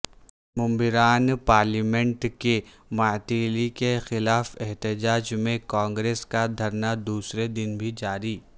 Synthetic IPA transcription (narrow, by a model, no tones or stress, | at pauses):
mʊ̃mbɪɾaːnpaːɾlimɛ̃ɳʈke | maːt̪iːlikexɪlaːfɛɦt̪ɪd͡ʒaːd͡ʒmẽkãːŋɡɾeːskad̪ʱɐɾnad̪uːsɾed̪ɪnbʱid͡ʒaːɾiː